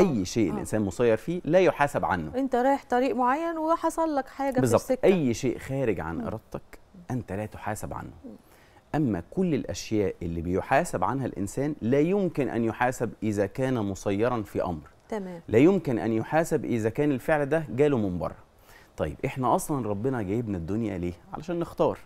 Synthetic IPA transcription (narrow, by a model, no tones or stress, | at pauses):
ʔæjːʃeːʔḛlʔḛnsæːnmosˤɑjːɑɾˤfiːlæːjoħaːsæbʕa̰nːo̰ʔent̪æɾˤɑːjeħt̪ˤɑɾiːʔmoʕajːænweɑħɑsˤɑlːækħaːɡæbezˤɑt̪eʔæjːʃeːʔxæːɾɪɡʕa̰nʔɑ̰ɾˤɑd̪̚t̪ːˤɑkʔænt̪ælæːt̪o̥ħaːsæbʕa̰nːʊ | ʔæmːæ̰kʊlːelʔæʃjæːʔʔelːibejoħaːsæbʕanhælʔɪ̰nsæːnlæːjʊmkɪnʔæ̰njoħaːsæbʔɪzæːkæːnæmosˤɑjːɑɾˤɑnfiʔɑ̰mɾ | t̪æmæːmlæːjomkenʔæ̰njoħaːsebʔɪzækæːnelfeʕld̪æɡæːlomɪmbɑ̰rˤːɑ̰ | t̪ˤɑjːebʔeħnæʔɑsˤlɑnɾˤɑbːenɑɡæːjebnæd̪ːonjæ̰leːʕa̰læ̰ʃæːnːext̪ɑːɾˤ